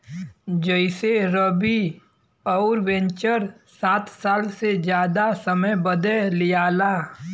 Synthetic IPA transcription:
d͡ʒəɪseɾəbi | ɔʊɾʋɛ̃ɲt͡ʃəɾ | saːt̪ʰsaːlsed͡ʒjaːd̪asəməjbəd̪elɪjaːlaː

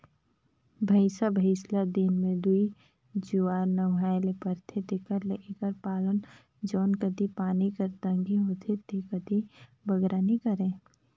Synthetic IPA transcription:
bʱəɪsabʱəɪslad̪inmẽd̪ui | d͡ʒuaːɾnəwɦaːlepəɾt̪ʰet̪ekəɾleʔekəɾpaːlən | d͡ʒɔːnkəd̪ʱipaːnikəɾt̪ə̃ŋɡiɦot̪ʰet̪ekəd̪ʱi | bəɡɾanikəɾẽː

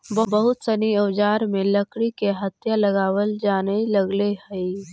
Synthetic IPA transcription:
bəbəɦʊt̪səniəʋd͡ʒaːɾmẽləkɽikeɦət̪jaləɡaːwəld͡ʒaːneləɡlehəi

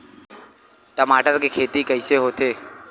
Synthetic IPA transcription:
ʈəmaːʈəɾkekʰeːt̪ikəɪseɦoːt̪eː

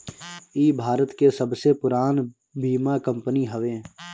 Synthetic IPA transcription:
iːbʱaːɾət̪kesɐbsepʊɾaːn | bʱiːmakə̃mpəniɦəʋẽː

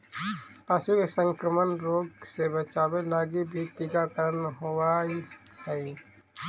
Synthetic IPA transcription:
t̪aːsikesə̃ŋkɾəmənɾoːɡsebət͡ʃaːwelaːɡibʱit̪iːɡakəɾənɦowai | hɛi

